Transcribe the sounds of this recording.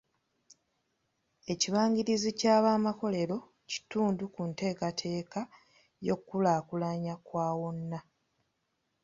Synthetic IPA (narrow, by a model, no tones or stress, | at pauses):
e̞ciβaːɲɡiɾizicaːβaːmako̞le̞ɾo̞ | ci̥tuːndukunte̞ːkatʰe̞ːka | jo̞̰kːulaːkulaɲakwaːwo̞nːa